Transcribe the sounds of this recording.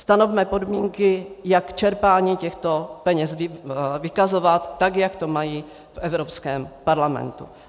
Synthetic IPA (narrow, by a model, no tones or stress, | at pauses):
st̪ano̞vmɛpo̞dmiːŋkɪjakt͡ʃɛɾpaːɲiːcɛxt̪o̞pɛɲɛsvvɪkazo̞vat̪ːakjakt̪o̞maji | fʔɛvɾopskɛːmpaɾlamɛ̰nt̪ṵ